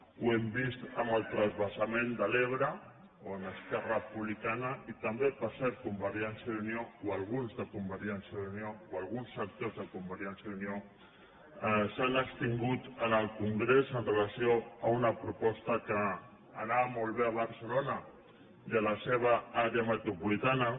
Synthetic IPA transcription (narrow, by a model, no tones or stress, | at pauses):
uɛmbist̪əməlˠt̪ɾəzβəsamend̪əleβ̞ɾə | oənəskɛrəpuβlikanəit̪əmbepəɾsɛɾt̪̚kumbəɾjɛnsjəðuniowalˠɣ̞unzðəkumbəɾjɛnsjəðunjowalˠɣunsək̚t̪ozðəkumbəɾjɛnsjəðunjo | sanəkst̪iŋɡut̪ənəlˠkuŋɡɾezənrəlasioəunəpɾupɔst̪əkəː | naβmolˠβ̞eəβ̞əɾsəlonə | d̪ələseβ̞aaɾeəmət̪ɾupulit̪anə